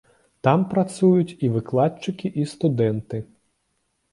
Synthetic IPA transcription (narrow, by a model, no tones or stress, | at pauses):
t̪ampɾat̪sujut͡sʲivɨklˠat͡ʂɨkʲiʔist̪ud̪ɛnt̪ɨ